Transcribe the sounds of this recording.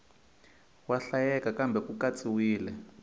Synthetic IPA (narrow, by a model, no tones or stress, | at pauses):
waɬajɛkakambʱɛkukat͡sʼiwiːlɛ